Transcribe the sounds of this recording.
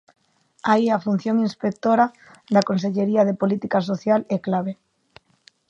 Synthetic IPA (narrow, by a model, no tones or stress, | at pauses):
aiafun̟θjoŋinspek̚t̪oɾa | ðakonseʎeɾiaðepolit̪ikas̬oθjaleklaβ̞e